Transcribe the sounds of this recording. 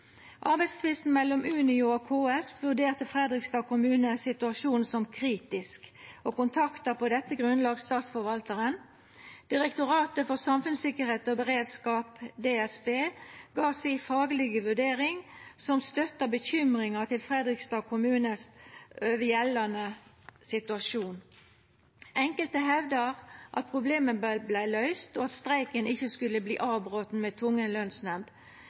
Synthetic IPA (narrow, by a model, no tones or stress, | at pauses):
ʔɑʁbɛɪt̪st̪ʰɪʋɪst̪n̩mɛlːɔmʉːnɪʊokʰoːɛst̪ʋʉʁd̪eːʁt̪əfʁɛd̪ʁɪkst̪ɑːkʊmʉːnəsɪt̪ʉɑʃuːnsɔmkʰʁiːt̪ɪskokʊnt̪ʰɑkt̪ɑpɔd̪ɛt̪ːəɡʁʉnlɑːɡst̪ɑːt̪sfɔɾʋɑlt̪əʁən | d̪̥ɪʁɛkt̪ʊɾɑːt̪əfɔʁsɑmfʉnsɪkəɾheːt̪ɔbəʁeːd̪skɑːpd̪eːɛsbeːɡɑːsifɑːɡlɪɡəʋʉɖeːʁɪŋsɔmst̪œt̪ːəbəçʏmʁɪŋɑt̪ʰɪlfʁɛd̪ʁɪkst̪ɑːkʰʊmʉːnəsøːʋəjɛlːɑnə | sɪt̪ʉɑʃuːn | ʔɛŋkəlt̪əɦɛʋd̪əʁʔɑ̰t̪̚pʰʁʊbleːmənbblæɪlœʏst̪oːɑt̪st̪ʁæɪkənɪçːəskʉlːəblḭːʔɑːbʁoːt̪n̩meːt̪ʰʊŋːənlœnsnɛmd̪